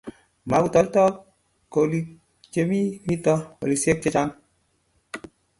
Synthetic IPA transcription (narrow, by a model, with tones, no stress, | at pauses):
ma˨ku˨tɔ˨ltɔ˦ | ko˨li˨ | t͡ʃe˦mi˦mi˦tɔ˦ko̰˨li˨sje˦k̚t͡ʃe˦t͡ʃa˦n